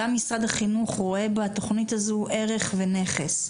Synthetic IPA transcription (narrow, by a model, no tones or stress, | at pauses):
amːisʁadaχinuχʁoe̞bat̪o̞χnitazuʔe̞ʁe̞χvene̞χes